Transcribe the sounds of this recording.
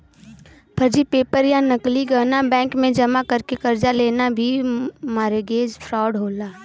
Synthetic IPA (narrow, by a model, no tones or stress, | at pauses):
pʰɐɾd͡ʒipeːpəɾjanəkliɡanabɛ̃ːŋkmẽd͡ʒɐmakɐɾkekɐɾd͡ʒaleːnabʱimaːɾeɡeːd͡ʒpʰɾɔːɖɦoːlaː